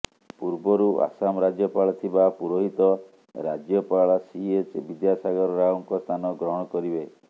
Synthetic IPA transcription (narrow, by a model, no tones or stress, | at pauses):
puɾbɔɾuʔa̰samɔɾad͡ʒjɔpaɭɔt̪ʰibapuɾoɦit̪ɔ | ɾad͡ʒjɔpaɭɔsiet͡ʃbid̪jasaɡɔɾɔɾajɔŋkɔst̪ʰanɔɡɾɔɦɔɽ̃ɔkɔɾibe